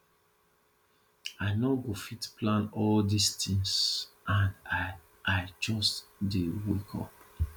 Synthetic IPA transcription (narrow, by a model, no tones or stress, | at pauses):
aɪnoɡofitplãnɔldistʰĩnsãn | aɪt͡ʃɔstdewekʰɔ̰p